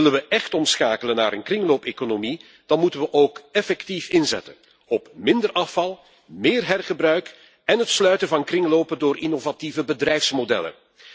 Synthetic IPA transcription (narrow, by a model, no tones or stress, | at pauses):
ɪlənʋəʔɛxtɔmsxaːkələna̰ːɾənkrɪŋloːpeːkonomi | d̥ɑnmutənʋəʔoːkɛfɛktifɪnzɛ̰tən | ɔpmɪndərʔɑfɑlˠ | mɪːrɦɛrɣəbrœɥk | ɛnɦətslœɥtənvɑnkrɪŋloːpədoːɾinovativəbədrɛjfsmodɛ̰lə̰n